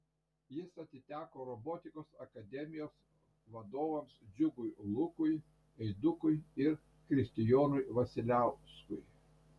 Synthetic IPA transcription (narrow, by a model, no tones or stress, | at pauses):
jɪsɐt̪ʲɪt̪ʲæːkoːɾɔboːt̪ʲɪkoːsɐkɐd̪ʲɛmʲɪjoːs | ʋɐd̪oːʋɐmsd͡ʒʲʊɡʊjlˠʊkʊj | ɛɪd̪ʊkʊjɪɾ | kɾʲɪsʲt̪ʲɪjoːnʊjʋɐsʲɪlʲæˑʊskʊɪ